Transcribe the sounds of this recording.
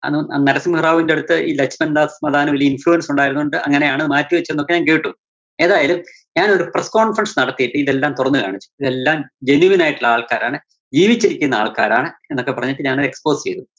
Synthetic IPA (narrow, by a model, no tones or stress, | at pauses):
ɐ̰ðɐnɐɾɐsimhɐraːʋindeɽut̪ːɨʔiːlɐkt͡ɕmɐnd̪aːsmɐðaːnɐʋiliinfɭujɐnsuɳɖaːjiɾunːuɳɖɨɐŋːɐne̞jaːɳeðɨmaːtːuʋɐt͡ɕːenːo̞kːe̞ɲaːnkeːʈːu | e̞ːðaːjɐlum | ɲaːno̞ɾupresko̞ːɳfrɐnsnɐɽɐt̪ːijiʈːɨiðe̞lːaːmt̪urɐnːɨka̰ːɳit͡ɕːu̥iðe̞lːaːmd͡ʑe̞nuʋinaːjiʈːuɭːɐaːɭkaːɾaːɳɨ | d͡ʑiːʋit͡ɕːiɾikʲːunːɐa̰ːɭka̰ːɾa̰ːɳɨenːo̞kːe̞pːɐrɐɲːiʈːɨɲaːnɐekspo̞ːst͡ɕe̞jðu